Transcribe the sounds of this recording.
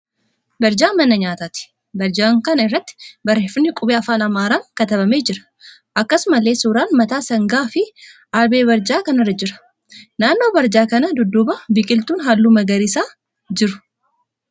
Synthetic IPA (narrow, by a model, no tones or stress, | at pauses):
bɐɾd͡ʒaːmɐnːɐɲaːt̪aːt̪ɪ̥ | bɐɾd͡ʒaːŋkɐnɐɪrːɐt̪ːɪ̥bɐɾːeːfʊnːɪkʼʊbeːɐfaːnɐmaːɾaːŋkɐt̪ɐbɐmeːd͡ʒɪɾɐ̥ | ʔɐkːɐsʊmɐlːe̞ːsuːɾaːnmɐt̪aːsɐŋɡaːfɪ | ʔalbeːbɐɾd͡ʒaːkɐnɐrːɐd͡ʒɪɾɐ̥ | naːnːo̞ːbɐɾd͡ʒaːkɐnɐd̪ʊd̪ːʊbɐbɪkʼɪlt̪uːnɦaːlːuːmɐɡɐɾisaː | d͡ʒɪɾʊ̥